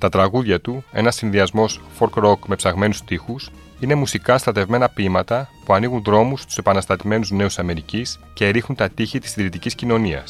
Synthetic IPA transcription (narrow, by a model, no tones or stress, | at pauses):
t̪ɐt̪ɾɐɣuðʝɐt̪ue̞nɐsːinðiɐzmo̞sfoɾkɾo̞kme̞psɐɣme̞nust̪ixus | ine̞musikɐst̪ɾɐt̪e̞vme̞nɐpimɐt̪ɐpuɐniɣunðɾo̞must̪u̥se̞pɐnɐst̪ɐt̪ime̞nuzne̞usɐme̞ɾicis | ce̞ːɾixunt̪ɐt̪içit̪i̥siðɾit̪iciscino̞niɐ̰s